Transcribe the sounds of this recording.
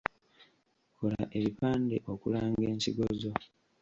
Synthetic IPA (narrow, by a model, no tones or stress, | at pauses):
kʰolaʔe̞ɾipaːnde̞ʔo̞kulaːŋɡeːɲciɡo̞zo̞